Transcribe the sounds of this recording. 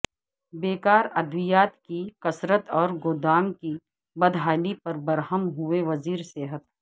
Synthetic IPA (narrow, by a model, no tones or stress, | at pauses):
beːkaːɾɐd̪ʱʋɪjaːt̪kikɐsɾət̪ɔːɾɡoːd̪aːŋki | bɐd̪ʱɦaːlipɐɾbɐɾɦəmɦʊeʋɐziːɾseːɦət̪̚